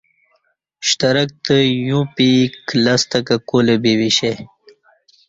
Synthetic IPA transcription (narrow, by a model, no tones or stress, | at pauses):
ɕt̪ɐɾɐk̚t̪əjũpiklast̪ɐkakolebewiɕe